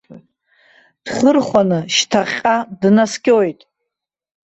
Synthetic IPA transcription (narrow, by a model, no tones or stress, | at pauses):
d̥χərχʷanɨʃtʰaχʲqʼadnaskʲʼojtʼ